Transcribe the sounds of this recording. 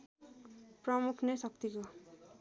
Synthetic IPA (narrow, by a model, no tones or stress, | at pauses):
prʌmukʰnʌsʌk̚t̪iko